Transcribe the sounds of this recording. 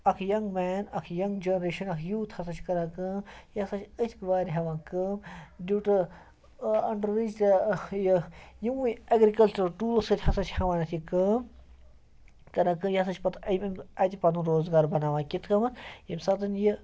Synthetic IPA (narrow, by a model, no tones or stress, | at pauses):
ɐkʰjɐŋɡmɛːnɐkʰjɐŋɡd͡ʒɐnɐɾeːʃɐnɐkʰjuːt̪ʰhɐsɐt͡ʃʰʲkɐɾãːkəːmjɐsɐt͡ʃʰʲɨt̪ʲʰkʋaːɾʲiɦɐʋãːkəːmduʈɨ | ɐɳɖɾid͡ʒt̪ɐjjiwɨɐɡɾikɐlt͡ʃɐɾʈuːlsɨt̪ʰʲhɐsɐt͡ʃʰhɐʋaːnɐt̪ʰikəːm | kɐɾãːkɨjɐs̬ɐt͡ʃʰʲpɐt̪ʰɐmimɐt̪ʲipɐnuɾoːzɡaːɾbɐnaːʋãːkʲit̪ʰkɐmɐnjimʲsɐt̪ɐnji